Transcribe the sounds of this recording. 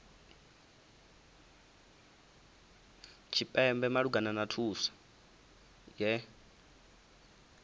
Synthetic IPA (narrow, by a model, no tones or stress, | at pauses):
t͡ʃʰipʼɛmbɛmaɺuɡananatʰuːsḁ | jɛ